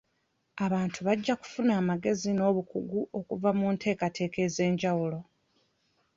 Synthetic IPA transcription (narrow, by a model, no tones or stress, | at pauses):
aβaːntʰuβaɟːaku̥funaːmaɡe̞zino̞ːβukuɡuʔo̞kuvamuntʰe̞ːkatʰe̞ːke̞ze̞ːɲɟawulo̞